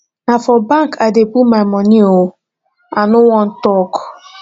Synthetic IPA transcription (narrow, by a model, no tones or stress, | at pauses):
nafɔbaŋkʰadepumaɪmɔniow | anʊwɔn̩tɔkʊ̥